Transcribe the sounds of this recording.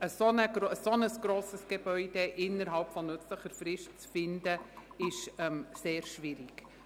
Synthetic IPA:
əsonəɡɾəsonəsɡ̥ɾoːsəsɡ̥ebœʏd̥eʔɪnːəɾɦɑlpfɔnʏt͡sləχəɾfɾɪʃtt͡sfɪndəɪʃɛmseːɾʃʋɪɾɪk

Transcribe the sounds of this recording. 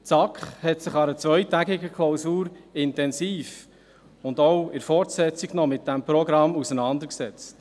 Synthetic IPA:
t͡sɑkχhɛtsɪχɑɾət͡sʋœʏtæɡɪɡəkʰlowsuːɾɪntɛnsiːf | ʊndɔwɪɾfɔɾtsɛt͡siɡnɔmɪt̚dæmpɾɔɡɾɑmusənɑnd̪əɾksɛt͡st

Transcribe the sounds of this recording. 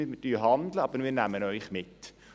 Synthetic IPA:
ɪmətyːɦɑnd̪ləɑbəɾmiːnæmənœʏχmɪt

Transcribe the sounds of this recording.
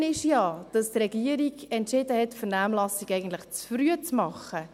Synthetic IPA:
nɪʃjɑːd̥ɑst̪rɛɡiəɾiɡɛntʃɪdəhɛtfəɾnæmlɑsiɡɛɪɡən̩t̪ləχt͡sfɾyət͡smɑχə

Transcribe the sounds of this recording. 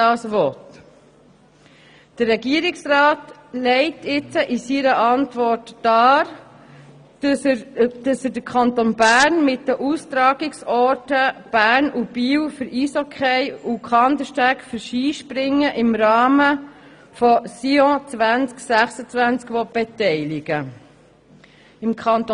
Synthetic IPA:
dɑːsʋɔt | d̥əɾːɛɡiəɾɪksrɑːtlɛɪtʰɪt͡səʔɪsiɾəʔɑntʋɔrtːɑːɾ | d̥ɑsədəkʰɑntonbæːɾnmɪtdəʔust̪ɾɑːɡ̥ɪksɔɾtəb̥æːɾnʔub̥iːwfʏɾiːsɔkʰχɛɪukʰɑnd̪əʃtækfəɾʃiːʃpɾɪŋːəʔɪmɾɑːmə | fɔsiɔ̃t͡sʋænt͡sksæχsət͡svænt͡skʋɔt̚b̥ɛtɛɪlɪɡə | ɪmkʰɑnt

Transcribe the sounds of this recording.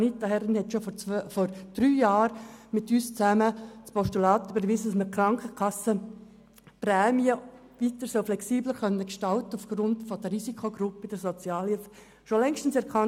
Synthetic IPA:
nit̪ːahɛɾɪnhɛtʃoffɔɾd̥ɾyːjɑːɾmɪtyːst͡sæməspʰɔʃtylɑːtybəɾʋizədɑsməkʰɾɑŋkʰəkʰɑsə | prɛːmiə | ʋitəɾsœʊflɛksiːbləχœnːəkʃtɑltəufɡ̥ɾʊntfɔd̥əɾisikʰoɡɾʊpəd̥əsɔt͡sjɑːlif | ʃolɛŋʃtən̩sɛɾkʰɑ

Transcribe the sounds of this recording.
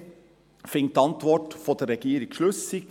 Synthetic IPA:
fɪŋt̪ɑnt̪ʋɔʈfɔd̪əɾɛɡiːɾɪɡ̥ʃɭʉssɪkt̪

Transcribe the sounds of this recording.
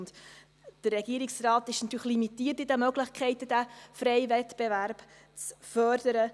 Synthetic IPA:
nd | d̥ərːɛɡ̥iəɾɪksrɑːt̪ɪʃnɑt̪yːɾχlimitiːərtɪdæmœɡlɪχkχɛɪt̪əd̥æfɾɛɪvɛtb̥evæɾb̥ | t͡sfœɾd̥əɾə

